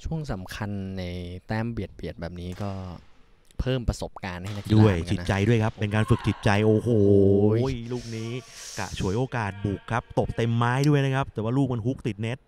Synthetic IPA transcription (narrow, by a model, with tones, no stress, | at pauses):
t͡ɕʰu˥˩əŋsa˩˦mkʰa˧nːa˧jt̪ɛː˦˥mbi˨˩ət̪̚bi˨˩ət̪̚bɛː˨˩p̚niː˦˥kɔː˥˩ | pʰɤː˥˩mpɾa˧so˨˩p̚kaː˧nha˥˩jna˦˥kdu˥˩əjt͡ɕi˨˩˦t͡ɕa˧jdu˥˩əjkʰa˦˥pːpe˧nkaː˧nfɯ˨˩k̚t͡ɕʰi˨˩t̪̚t͡ɕa˧jʔoː˧ɦoː˨˩˦jluː˥˩k̚niː˦˥ka̰˧˩t͡ɕʰu˨˩˦əjʔoː˧kaː˨˩t̪̚buː˨˩kʰːa˦˥p̚t̪o˨˩p̚t̪e˧mːaː˦˥jdu˥˩əjna˦˥kʰa˦˥p̚t̪ɛː˨˩waː˥˩luː˥˩k̚ma˧nɦu˦˥k̚t̪i˨˩t̪̚ne˦˥t̪̚